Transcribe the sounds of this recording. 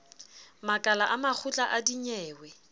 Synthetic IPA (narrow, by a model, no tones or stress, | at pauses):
makʼalaʔamak͡xʰʊt͡ɬʼaʔadiɲɛːwɛ